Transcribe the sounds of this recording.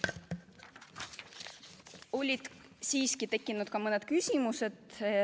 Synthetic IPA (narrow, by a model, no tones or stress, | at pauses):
o̞lʲid̪̥siːskit̪e̞kːˑinud̪̥kɑmɤned̪̥̚kysʲimuse̞d̪̥